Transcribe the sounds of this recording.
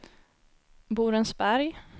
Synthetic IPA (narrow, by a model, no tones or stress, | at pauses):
buːɾɛnsbæɾj